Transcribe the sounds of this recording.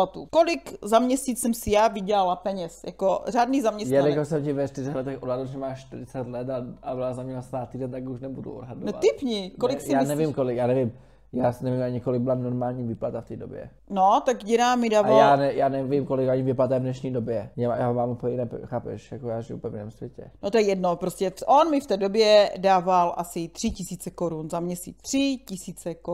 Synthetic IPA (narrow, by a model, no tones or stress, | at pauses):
at̪ukolɪkzamɲɛsiːt͡ssɛmsɪjaːvɪɟɛlalapɛɲɛsjakoraːdniːzamɲɛsjnɛaɪkosɛmcɪvɛʃt̪ɪzɛɣlɛt̪ɛxʔodɦadl̩ʒɛmaːʃʃt̪ɪɾɪt͡sɛt̪lɛt̪aabɪlazamɲɛlasnaːt̪iːdɛnt̪akuʃnɛbudṵʔodɦadonɛtat̪ɪpɲɪkolɪksjɪaːnɛvimkolɪkjaːnɛvɪm | jaːsnɛvimaɲɪkolɪɡ̚bɪlanoɾmaːlɲiːviːplat̪aft̪iːdobjɛ̰ | not̪akɟɛɾaːmɪdaːvaljaːnɛjaːnɛvɪmkolɪkaɲɪvɪplat̪avdnɛʃɲiːdobjɛɲɛajaːɦovaːmupoɛjɪnɛpɛxaːpɛ̰ʃjakojaːʒɪjṵpɛvɪnɛ̰ːmsvʲjɛcɛ̰not̪ojɛjɛdnopɾoscɛfʔonmɪft̪ɛːdobjɛdaːvalʔasɪt̪r̝̥ɪcɪsiːt͡sɛkoɾunzamɲɛsḭt͡st̪r̥ɪcɪsiːt͡sɛko